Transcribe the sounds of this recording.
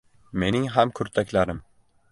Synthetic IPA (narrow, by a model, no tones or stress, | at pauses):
me̞nɪŋɦamkʰɵɾt̪ʰakʲlaɾɪm